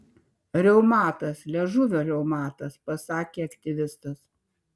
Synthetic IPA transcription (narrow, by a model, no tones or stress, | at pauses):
ɾʲɛʊmɑːt̪ɐslʲɛʒʊʋʲoːɾʲɛʊmɑːt̪ɐspɐsɑːkʲeːɐkt̪ʲɪʋʲɪst̪ɐs